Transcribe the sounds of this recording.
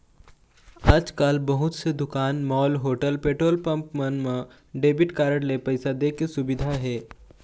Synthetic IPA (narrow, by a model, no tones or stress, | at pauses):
aːd͡ʒkaːlbɐɦʊt̪sed̪ʊkaːnmɔːlɦoːʈəlpeːʈɾoːlpə̃mpmənmẽ | ɖeːbɪʈkaːɾəɽlepɐɪsad̪eːkesʊbɪd̪ʱaɦɛː